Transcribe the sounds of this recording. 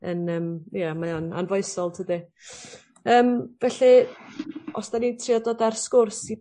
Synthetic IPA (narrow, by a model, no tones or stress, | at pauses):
ənəːmjəmajɔna̰nvɔɨsɔlˠtʰədɪ | əːmvɛɬi | ɔsd̥anitʰriɔdɔdarskʊrsi